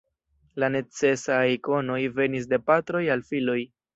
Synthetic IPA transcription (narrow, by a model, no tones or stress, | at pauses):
lane̞t͡se̞sajko̞no̞jve̞nis̬de̞patɾo̞jalfilo̞j